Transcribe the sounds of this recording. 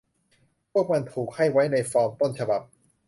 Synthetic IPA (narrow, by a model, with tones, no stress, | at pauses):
pʰu˥˩ək̚ma˧nt̪ʰuː˨˩k̚ha˥˩jwa˦˥jna˧jfɔː˧mt̪o˥˩nt͡ɕʰa˧ba˨˩p̚